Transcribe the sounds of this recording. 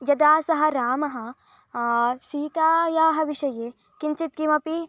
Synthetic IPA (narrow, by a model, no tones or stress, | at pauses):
jɐd̪aːsɐɦɐ̆ɾaːmɐɦɐ̆ | siːt̪aːjaːɦɐʋiʃɐjeː | kint͡ʃit̪̚kimɐpi